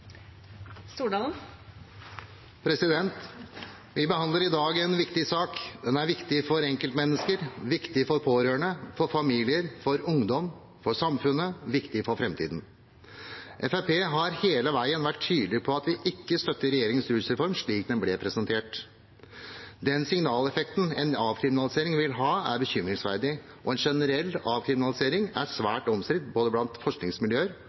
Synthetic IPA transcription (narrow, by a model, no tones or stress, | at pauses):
st̪uːɖɑn | pʰɾɛsɪd̪ɛnt̪ | ʋɪbəhɑnd̪ləɾɪd̪ɑːɡɛnʋɪkt̪ɪsɑːkd̪ɛnæɾʋɪkt̪ɪfɔɾɛŋkəlt̪mɛnːəskəɾʋɪkt̪ɪfɔɾpʰoːɾøːəɳəfɔɾfɑmiːlɪəɾfɔɾʊŋd̪ɔm | fɔʂɑmfʉnːəʋɪkt̪ɪfɔɾfɾɛmt̪ʰḭːd̪n̩ | ʔɛfæpeːɦɑɾheːləʋæɪənʋæʈʰtːyːd̪lɪpʰɔɑt̪ʋɪʔɪkːəst̪œt̪ːəɾɛjeːɾɪŋənsɾʉːlsɾɛfɔɾmʂɭiːk̚d̪ɛnblɛpʰɾɛsɛnt̪ʰeːʈ | d̪ɛnsɪŋnɑːlɛfɛkt̪n̩ɛnɑːʋkʰɾɪmɪnɑlɪseːɾɪŋʋɪlɦɑːæ̰ɾbəçʏmɾɪŋsʋæɾd̪ɪ | ʔɔɛnʂɛnəɾɛlːɑːʋkʰɾɪmɪnɑlɪseːɾɪŋæsʋæːʈɔmskɾɪt̪boːd̪əblɑnt̪fɔʂknɪŋsmɪljøːəɾ